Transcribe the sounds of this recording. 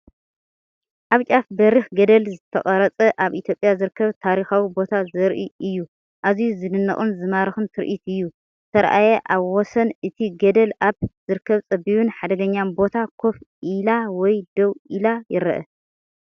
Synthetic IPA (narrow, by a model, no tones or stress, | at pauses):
ʔaβt͡ʃʼafbɐɾixɡɐd̪ɐlzɨt̪ʰɐχʼɐɾɐt͡sʼɐʔaβʔit̪ʰjo̞pʼːjazɨɾɨkʰːɐβt̪ʰaɾixawibo̞t̪ʰazɨɾʔiʔɨjːu | ʔazijuzɨnɨnːɐ̰χʼunzɨmaɾɨxɨnt̪ʰɨɾʔit̪ɨjːu | t̪ʰɐɾ̰ʔajɛʔaβwɔsɐnʔɨt̪ʰiɡɐd̪ɐlʔaβzɨɾɨkʰːɐβt͡sʼɐbiβɨnħad̪ɐɡɐɲːanbo̞t̪ʰakʰofilawɔjd̪ɐwilajɪɾɐʔɐ̰